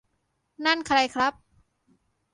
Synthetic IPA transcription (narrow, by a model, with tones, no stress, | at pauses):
na˥˩nkʰɾa˧jkʰɾa˦˥p̚